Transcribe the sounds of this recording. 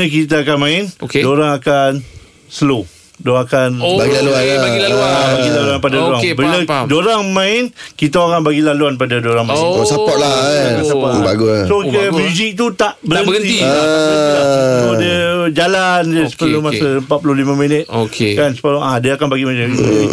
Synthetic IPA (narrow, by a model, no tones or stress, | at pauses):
ək̬it̪̬aːkanmãɪnokedoɾaŋakan | səlo | doakanbaɡialuaabailaluanpadadoɾaŋbiladoɾaŋmãɪnkit̪aakanbaɡilaluanp̬adadoɾaŋmaaosapɔʔlaaasapaʔlbaɡusokmuzik̚t̪ut̪aʔbəɾənbəi | aodəd͡ʒalandəsə̥pəlumasaəmpat̪̚pulolimãmĩnət̪̚okekansə̥pəlaadaakanbaɡimat͡ʃamimi